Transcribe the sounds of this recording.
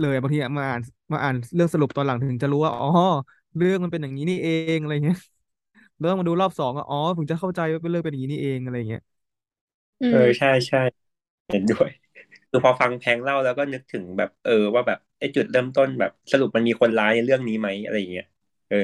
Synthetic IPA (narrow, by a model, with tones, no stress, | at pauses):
lɤː˧ja˨˩aː˧ŋt̪ʰiː˧ʔa˨˩maː˧ʔaː˨˩n | maː˧ʔaː˨˩nɾɯ˥˩əŋsa˧ɾu˨˩p̚t̪ɔː˧la˩˦ŋt̪ʰɯ˩˦ŋt͡ɕa˨˩ɾuː˦˥waː˥˩ʔɔː˧˩ | ɾɯ˥˩əŋma˧npe˧nja˨˩ŋniː˦˥niː˥˩ʔeː˧ŋʔa˧ɾa˧ja˨˩ŋː˧˦˥ | t̪ɔ˥˩ma˧duː˧lɔː˥˩p̚sɔː˨˩˦ŋwa̰˥˧˩ʔɔː˨˦˩pʰɯ˩˦ŋt͡ɕa˨˩kʰa˥˩wt͡ɕa˧jwaː˥˩pe˧˩nɾɯ˥˩ŋpe˧nja˨ŋːi˦˥niː˥˩ʔeː˧ŋʔa˧ɾa˧jːa˨˩ŋːi˦˥ɐ˥ʔ | ʔɤː˧t͡ɕʰa˥˩jt͡ɕʰa˥˩j | he˨˩˦ndu˥˩əj | kʰɯː˧pʰɔː˧fa˧ŋpʰɛː˧˥ŋla˥˩wlɛː˦˥wkɔː˥˩nɯ˦˥k̚t̪ʰɯ˩˦ŋbɛ̰ː˨˩p̚ʔɤː˧waː˥˩bɛː˨˩p̚ʔa˥˩jt͡ɕu˨˩t̪̚ɾɤː˥˩mt̪o˥˩nbɛ̰ː˨˩p̚sa˧lu˨˩p̚ma˧nmiː˧kʰo˧nlaː˦˥jna˧jɾɯ˥˩əŋniː˦˥ma˦˥jʔa̰˧ɾa˧jːa˨˩ŋːi˦˥˦ʔ | ʔɤː˧˩